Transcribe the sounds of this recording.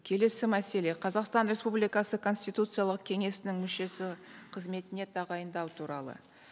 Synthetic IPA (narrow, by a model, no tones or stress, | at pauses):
kʲʰe̞le̞sɪmæse̞le̞qʰɑzɑqst̪ɑnɾʲe̞spublijkɑsəkʰo̞nsʲt̪ijt̪ut̪sɨjalˠəq̚kʲʰe̞ŋe̞sɪnɪŋmʏʃe̞sɪqʰəzme̞t̪ɪne̞t̪ʰɑʁɑjənd̪ɑwt̪ʰuɾɑlˠə̰